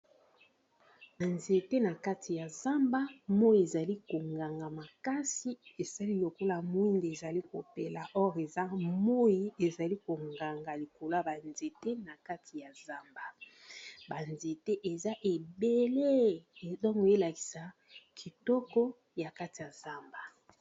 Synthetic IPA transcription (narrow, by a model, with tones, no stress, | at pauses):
ba˨nze˨te˦na˨ka˦tʰi˨ja˨za˦mba˦mo˦i˨e˨za˨li˦ko˨ŋɡa˨ŋɡa˨ma˨ka˦si˦e˨sa˦li˦lo˨ko˦la˨mo˦i˦nde˨e˨za˨li˦ko˨pe˦la˨ʔɔ˦ʁe˨za˦mo˦ji˨e˨za˨li˦ko˨ŋɡa˨ŋɡa˨li˨ko˨la˦˨ba˨nze˨te˦na˨ka˦tʰi˨ja˨za˦mba˨ | ba˨nze˨te˦ʔe˨za˦ʔe˨be˨le˦e˨dɔ˦ŋɡo˨e˦la˨ki̥˨sa˨ | kʰi˨tɔ˦kɔ˦ | ja˨ka˦ti˨ja˨za˦mba˨